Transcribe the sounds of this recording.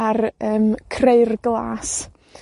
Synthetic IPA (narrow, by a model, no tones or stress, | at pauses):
arəːmkʰreɨrɡlˠa̰ːs